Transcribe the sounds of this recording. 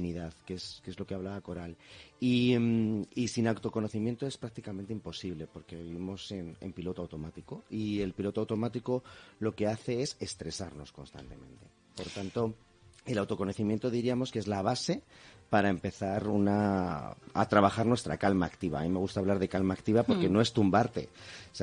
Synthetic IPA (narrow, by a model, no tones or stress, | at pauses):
niðaðke̞skezlo̞ke̞aβlaβako̞ɾalimisinawt̪o̞ko̞noθimje̞nt̪oespɾak̚t̪ikame̞nt̪eimpo̞siβle̞po̞ɾke̞βiβimo̞se̞nḛmpilo̞t̪oawt̪omat̪iko̞ie̞lpilo̞t̪oawt̪o̞mat̪iko̞lo̞ke̞aθe̞e̞se̞st̪ɾe̞saɾno̞sko̞nst̪a̰nt̪e̞̰mẽ̞̰nt̪e̞ | po̞ɾt̪ant̪o̞ | e̞lawt̪o̞ko̞no̞θimje̞nt̪o̞ðiɾiamo̞skee̞zlaβ̞ase̞paɾaempe̞θaɾuna | a̰t̪ɾaβaxaɾnwe̞st̪ɾakalmaːkt̪iβ̞a̰ːmime̞ɣ̞ust̪aβlaɾð̞e̞kalmaːkt̪iβapo̞ɾkeno̞e̞st̪umbaɾt̪e̞̰s